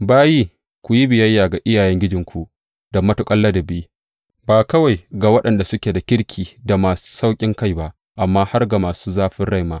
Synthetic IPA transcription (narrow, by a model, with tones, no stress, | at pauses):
baː˦ji˦ | kʷu˨ji˦bɪ˨jɐ˦jːaː˨ɡa˨ʔɪ˦jaː˨jɛ˦ŋɡʲɪ˦d͡ʒɪ˨ŋkʷu˨ | d̥ɐ˨mːɐ˦tu˨kʼɐ˦lːa˦da˨bi˦ | baː˨kɐ˦wa˨jɡaː˨wɐ˦ɗɐ˨nda˨sʊ˦kʲeː˨da˨kʲɪ˦ɽkʲʰiː˨da˨maː˨su̥˦sa˦wkʲʼɪ˦ŋka˦jba˦ʔ | ʔa˨mːaː˦ha˦rɡa˨maː˨suː˦zaː˦ɸɪ˦nɽa˦jmaː˦